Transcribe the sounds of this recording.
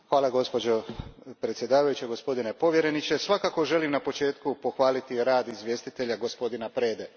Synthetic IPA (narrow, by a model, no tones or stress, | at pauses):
xʋaːlˠaɡo̞spo̞d͡ʑo̞pɾet̪sje̞d̪aːʋajut͡ɕeɡo̞spo̞d̪ine̞po̞ʋje̞ɾe̞nit͡ɕe̞sʋakaːko̞ʒe̞limnapo̞t͡ʃe̞ːt̪kupo̞xʋaːlit̪iɾaːd̪izʋje̞st̪it̪e̞ʎaɡo̞spo̞d̪inapɾe̞ːd̪e